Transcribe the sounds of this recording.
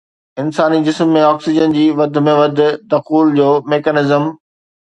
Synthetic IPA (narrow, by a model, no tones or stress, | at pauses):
ɪnsaːnid͡ʑɪsmːẽɔːksɪd͡ʑənd͡ʑiːʋɐd̪ʱʊ̆mẽʋɐd̪ʱʊ̆d̪ɐxuːld͡ʑoːmeːkənɪzəm